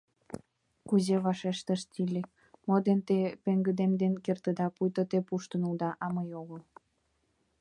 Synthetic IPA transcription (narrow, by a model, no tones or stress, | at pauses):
kuzeβɑʃeʃt̪əʃt̪ilʲek | mod̪ent̪epeŋɡəd̪emd̪enkert̪əd̪ɑpujt̪ət̪epuʃt̪ənuld̪ɑʔɑməjoɣəl